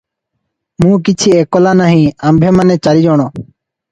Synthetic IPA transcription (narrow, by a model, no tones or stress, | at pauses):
mũːk̬ɪt͡ʃʰiːekolaːnaɦĩːəmbʱeːmanet͡ʃəɾid͡ʒɔːɽ̃ɔ̃ː